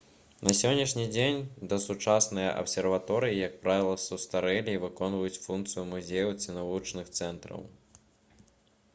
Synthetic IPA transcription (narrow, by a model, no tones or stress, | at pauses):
nɐsʲɔnʲːiʂnʲid͡zʲenʲd̪ɐsut͡ʂasnɨjɐ̰ʔɐ̰psʲɛrvat̪ɔɾɨjijɐk̚pɾavʲilˠɐsust̪aɾɛlʲiːvɨkɔnvɐjut͡sʲfunk̪t̪sɨjumuzʲejɐwt̪sʲɨnavut͡ʂnɨxt̪sɛnt̪ɾɐ̰w